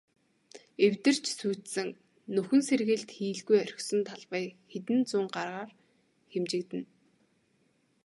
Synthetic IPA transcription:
ewt̪ɘ̆r̥t͡ɕsuːt̪sɘ̆ŋ | nɵxɵ̆nserɣɘ̆ɮt̪xiːɮɣujœɾ̆ʲxsɞ̆nt̪ʰaɮpæːxet̪ɘ̆nt͡sʊːŋɢarʁaːr | xemt͡ɕɪ̆kt̪ɘ̆n

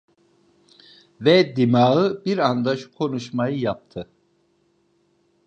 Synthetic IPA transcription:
vɛd̪imaɯbiɾand̪aʃu̥kʰo̞nuʃmajɯjap̚t̪ʰɯ

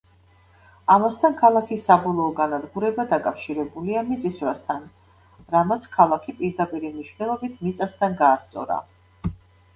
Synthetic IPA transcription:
amast̪ʰankʰalˠakʰisːabɔlˠɔːɡanad̪ɡuɾɛbad̪akʼafʃiɾɛbuliamit̪sʼisvɾast̪ʰan | ɾamat̪sʰkʰalˠakʰipʼiɾd̪apʼiɾimniʃwvnɛlˠɔbit̪ʰmit̪sʼast̪ʰanɡaːst̪sʼɔ̰ɾa̰

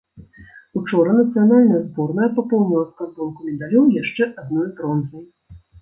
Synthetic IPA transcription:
ut͡ʂɔɾɐnɐt̪sɨjanalʲnɐjɐzbɔrnɐjɐpapɔwnʲilˠɐskad̪ɔnkumʲɛd̪alʲɔwjaʂt͡ʂɛʔad̪̚nɔjbɾɔnzɐj

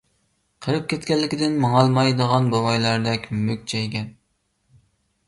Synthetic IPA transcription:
qʰəɾɨp̚kʲɛt̪kʲɛlːɪkʲid̪ɪnmɑŋɑlˠmɑjd̪əʁɑnbolˠɑjlˠɑɾd̪ɛkʲmøk̚ʲt͡ʃʰɛjkʲʰɛn

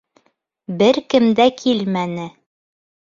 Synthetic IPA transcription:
bɘɾkɘ̆md̪ækʰilmænɘ

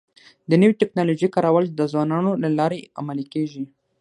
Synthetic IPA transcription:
d̪ənəwit̪ɪknɑloʒikɑɾawəld̪əzwɑnɑnolalɑɾea̰malikeʒi

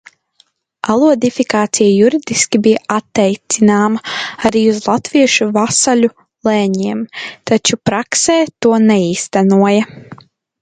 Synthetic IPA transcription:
alˠuɔd̪ifikaːt̪sijajuɾid̪iskʲibijaʔat̪ːɛjt̪sinaːmɐaɾiːuzlˠat̪viɛʃuvasalʲu | lˠɛːɲiɛmt̪at͡ʃupɾaksɛːt̪uɔnɛiːst̪anuɔjɐ

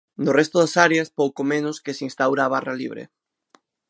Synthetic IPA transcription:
nʊrɛst̪ʊðasaɾeɐspowkomẽnʊskesĩnst̪awɾaːβaralḭβɾḛ

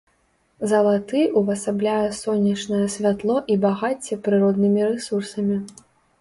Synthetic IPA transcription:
zɐlˠat̪ɨʔuvɐsablʲajɛsɔnʲːɐt͡ʂnɐjɛsʲvʲat̪lˠɔʔibaɣat͡sʲːɛpɾɨɾɔd̪nɨmʲiɾɛsursɐmʲi

